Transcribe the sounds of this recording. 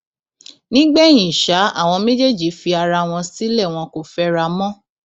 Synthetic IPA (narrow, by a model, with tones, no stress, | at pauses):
nĩ˦ɡ͡bɛ˦˨j̃ĩ˨ʃa˨˦a̰˦˨w̃ɔ̃˧mẽ˦d͡ʒe˦˨d͡ʒi˨˦fi˧a˧ɾa˧w̃ɔ̃˧si˦lɛ˦˨w̃ɔ̃˧ko˦˨fɛ˦ɾa˧mɔ̃˦